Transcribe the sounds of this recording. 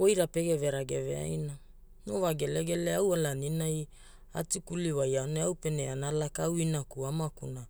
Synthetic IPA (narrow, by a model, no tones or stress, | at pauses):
ojɾape̞ɡe̞veɾaɡe̞ve̞̰a̰jna | novaɡe̞leɡe̞leawalaninaj | a̰tikuliwajaoneawpe̞neanalakawinakuamakuna